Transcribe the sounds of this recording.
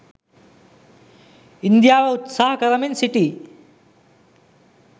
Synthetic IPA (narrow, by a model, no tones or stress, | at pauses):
ind̪jawaut̪saɦkʌɾʌminsiʈi